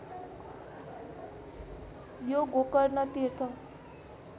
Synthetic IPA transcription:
joɡokʌrnʌt̪irt̪ʰʌ

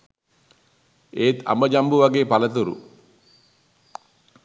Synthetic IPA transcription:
eːt̪a̰mbəd͡ʒambuʋaɡeːpalət̪̬uɾṵ

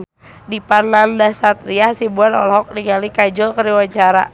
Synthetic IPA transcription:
dipanlandasat̪̚ɾiahsibuanɔ̰lɔɦɔk̚niŋalikad͡ʒɔlkəɾiwaɲt͡ʃaɾa̰

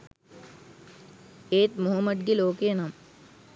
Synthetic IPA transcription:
eːt̪mʊɦɐmːəɖ̚ɡiloːkeːnam

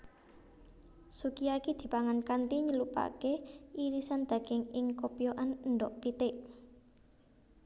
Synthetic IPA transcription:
sukiakid̪̥i̤paŋankant̪iɲəlupa̰keʔiɾisand̪̥a̤ɡ̥ɪŋɪŋkopijoʔannɖɔʔpit̪ɪʔ

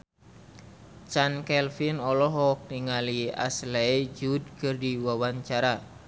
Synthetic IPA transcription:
t͡ʃankɛlfinɔlɔɦɔk̚niŋalia̰slɛd͡ʒud̚kɨrdiwawaɲt͡ʃaɾa

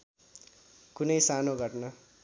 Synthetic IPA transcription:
kunʌjsanoɡʱʌʈnʌ

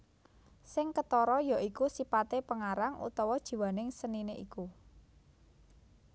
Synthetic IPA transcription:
sɪŋkət̪ɔɾɔjaʔikusipat̪epəŋaɾaŋṵt̪ɔwɔd̥ʒ̥i̤wanɪŋsənineʔiku

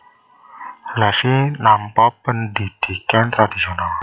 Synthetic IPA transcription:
lasinampapəndid̪̥i̤kant̪ɾad̪̥isional

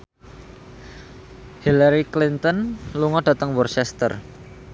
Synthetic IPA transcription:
hilaɾiklint̪ɔnluŋɔɖ̥ä̤t̪əŋwɔrt͡ʃɛst̪ə̰r

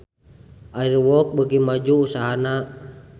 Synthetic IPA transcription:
ʔairwɔk̚bəɡimad͡ʒuːsaɦana

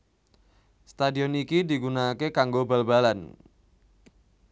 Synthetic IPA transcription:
st̪adiɔnikidi̤ɡunakekaŋɡobalbalan

